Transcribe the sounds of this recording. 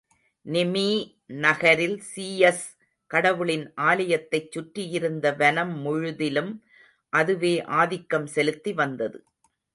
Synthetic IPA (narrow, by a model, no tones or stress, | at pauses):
nɪmiː | nɐɣɐɾɪlsiːɛs | kɐɽɐʋɯɭɪnʔaːlɐjɐt̪ːɐɪt͡ʃːʊʈɾɪjɪɾɯnd̪ɐʋɐnɐmːʊɻʊðɪlɯm | ʔɐðɯʋeːʔaːðɪkːɐmsɛlɯt̪ːiʋɐnd̪ɐðɯ̰